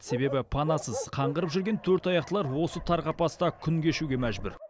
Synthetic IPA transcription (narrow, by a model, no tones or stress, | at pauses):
se̞be̞bɪpʰɑnɑsəzqʰɑɴʁəɾəpʒʏɾɡʲe̞nt̪ʰɵɾt̪ɑjɑqt̪əlˠɑɾwo̞sət̪ʰɑɾʁɑpɑst̪ɑkʲʰʏŋɡʲeʃuɡʲe̞mæʒbʏ̰ɾ